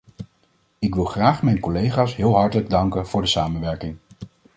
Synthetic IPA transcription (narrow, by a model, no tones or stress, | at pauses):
ɪkʋɪlˠχraːχmɛjnkɔlejχaːsɦɪːlˠɦɑɹtələɡ̚dɑŋkənv̥ʊːɹdəsaːmənʋɛɹkɪŋ